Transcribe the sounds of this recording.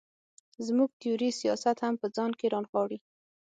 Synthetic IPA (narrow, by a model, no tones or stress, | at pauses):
zmuɡ̚t̪ɪjuɾisijɑsat̪hampəd͡zɑnkeɾɑnxwɑɽi